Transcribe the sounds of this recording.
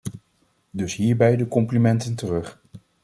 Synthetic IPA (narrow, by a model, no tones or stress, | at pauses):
dɵsɦiːɹbɛjdəkɔmplimɛntəntərɵχ